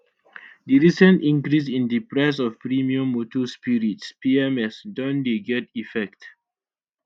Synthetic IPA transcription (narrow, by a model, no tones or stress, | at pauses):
diɹisə̃ntĩŋkɾis̬ĩndipɹaɪs̬ɔvpɹimiũmːotʰospiɹitspiɛmɛsdɔ̃ndeɡɛtifɛk̚t